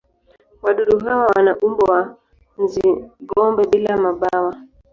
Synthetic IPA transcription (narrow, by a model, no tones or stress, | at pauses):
waɗuɗuɦawawanaʔumbɔwa | nziɡɔmbɛɓilamaɓawa